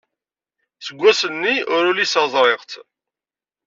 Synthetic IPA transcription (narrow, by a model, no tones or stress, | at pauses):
səɡʷːæsənːiʊɾʊlisəzˤɾˤeʁt͡s